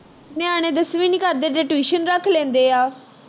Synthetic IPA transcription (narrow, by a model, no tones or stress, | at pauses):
nɪaːɽ̃ẽːd̪əsʋĩːnɪkaːd̪eːd̪eːʈʋiːʃənɾəkʰlẽːnd̪eːaː